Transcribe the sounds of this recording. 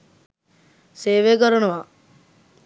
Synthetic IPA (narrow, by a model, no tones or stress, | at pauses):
seːʋeːɡɔɾunuʋa